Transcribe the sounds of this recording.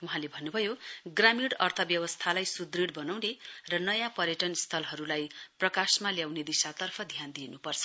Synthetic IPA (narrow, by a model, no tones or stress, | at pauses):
uɦãlebʱʌnːubʱʌjoɡramiɽʌrt̪ʰʌbjʌwʌst̪ʰalajsud̪riɽbʌnawnerʌnʌjãpʌɾjʌʈʌnst̪ʰʌlɦʌɾulajprʌkasmaljawned̪isat̪ʌrpʰʌd̪ʱjand̪inupʌrt͡sʰʌ̥